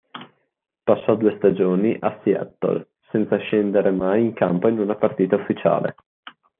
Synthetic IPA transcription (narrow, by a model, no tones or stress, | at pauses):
pasːɔd̪uːest̪ad͡ʒoːniʔasjɛ̰t̪ːo̰l | sɛnt̪saʃend̪eɾʔemajiŋkampoinunapart̪iːt̪aufːit͡ʃa̰ːlḛ